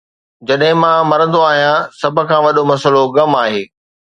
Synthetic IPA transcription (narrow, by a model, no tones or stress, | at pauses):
d͡ʑɐɗɦɪ̃mãːmɐɾə̃nd̪oaːɦijãsɐbʱʊ̆kʰãːʋɐɗomɐsəloɡɐmaːɦeː